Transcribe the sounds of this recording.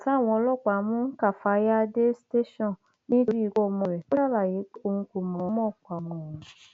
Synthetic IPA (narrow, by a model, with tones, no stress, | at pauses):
ta˦˨w̃ɔ̃˧ɔ˧lɔ˦˨k͡pa˨˦mũ˦ka˨fa˧ja˦de˦ste˦ʃɔ̃˦˨ | nĩ˦˧˦ɾi˦i˨˧˦ɡɔ˦˨˧mɔ̃˧˨ɾɛ˨ko˦ɾa˦˨ba˨je˨˦o˧˨hũ˧ko˨mɔ̃˨˦mɔ̃˦˨k͡pʷa˨mɔ̃˨ɔ̃˨